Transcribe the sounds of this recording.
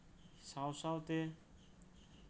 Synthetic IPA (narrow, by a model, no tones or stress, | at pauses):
sawsawt̪e